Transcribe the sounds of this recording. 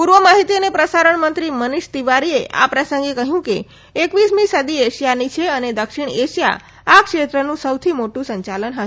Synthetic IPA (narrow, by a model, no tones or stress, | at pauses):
puɾʋəmaɦit̪iənepɾəsaɾəɳmənt̪ɾiməniʃt̪iʋaɾieʔa̰pɾəsə̃ŋɡekəɦjũke | ekʋismĩsəd̪ieʃjanit͡ʃʰeəned̪əkʃiɳeʃja̰ | akʃet̪ɾənũsəwt̪ʰimoʈũsəɲt͡ʃalənɦə